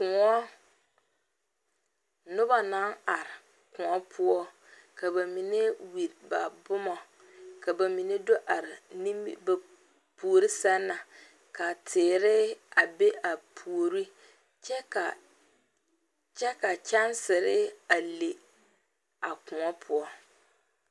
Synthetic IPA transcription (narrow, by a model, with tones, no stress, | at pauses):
kʊ˨ŋɔ˦ | nʊ˦ba˦na˦na˨ɾɪ˨ | kʊ̃˨ɔ˦pʰʊ˦ɔ˦ | ka˨ba˨mi˨ne˦wi˨ɾba̰˨bʊ˦mɔ˨ | ka˨ba˨mi˨ne˦do˦ʔa˨ɾɪ˨ni˦m̰˦ba˨ | pu˨o˨ɾi˦sa˦nːa˨ | ka˨tʰɪː˨ɾɪ˦a˨be˦ʔa˨pʰu˨ɾi˦ | t͡ʃɛ˦k | t͡ʃɛ˦ka˨t͡ʃa˦nsɪ˨ɾɪ˦a˨le˨ | a˨kʊ̃˨ɔ˦pʰʊ˦ɔ˦